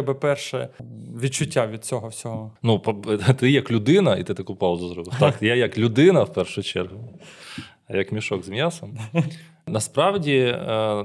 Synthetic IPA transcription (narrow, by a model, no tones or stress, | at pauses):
ɛbɪpɛrʃɛʋʲit͡ʃːʊtʲːaʋʲid̪̚t͡sʲɔɦɔwsʲɔɦɔnupt̪ɪjɐklʲʊd̪ɪnɐit̪ɪt̪ɐkupɑwzʊzɾɔkʊt̪ɑkjajɐklʲʊd̪ɪnɐwpɛrʃʊjʊt͡ʃɛrɦʊ | ɐjɐkmʲiʃɔɡzmʲjɑsɐm | nɐspɾɑwdʲi